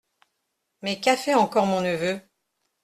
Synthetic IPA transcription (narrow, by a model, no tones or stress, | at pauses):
mɛkafɛɑ̃kɔʁmɔ̃nəvø